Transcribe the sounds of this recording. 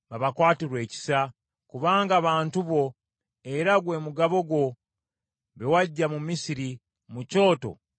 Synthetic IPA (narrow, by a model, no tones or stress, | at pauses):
βaβakwaːtiɾwe̞ːci̥sa | kuβaːŋɡaβaːntuβo̞ | eɾaɡwe̞ːmuɡaβo̞ɡwo̞ | βewaɟːamumisiɾi | muco̞ːto̞̰